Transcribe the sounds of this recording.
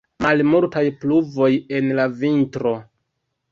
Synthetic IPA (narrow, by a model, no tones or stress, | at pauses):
malmuɾtajpluvo̞je̞nlavintɾo̞